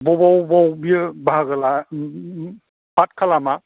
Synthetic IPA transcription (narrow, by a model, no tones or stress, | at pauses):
bɔbɔwbɔwbibʱaɡəla | patkʰalama